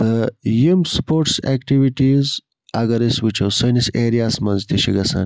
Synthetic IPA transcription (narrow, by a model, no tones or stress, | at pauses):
d̪̥əjumspoːɾʈsekʈiʋiʈiz | ɐɡɐɾiswit͡ʃɐwsɐniseːɾijasmɐ̃nzt̪ʰiʃiɡɐsɐ̰n